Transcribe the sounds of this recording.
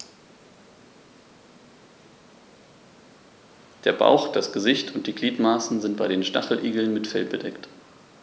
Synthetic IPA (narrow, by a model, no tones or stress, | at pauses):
d̥eːɐba̰ʊxd̥asɡ̥əzɪçtʰʊnt̚d̥iːɡliːtmaːsn̩zɪnt̚b̥aɪɾeːnʃta̰χl̩ʔiːɡl̩nmɪtfɛ̰lbədɛkt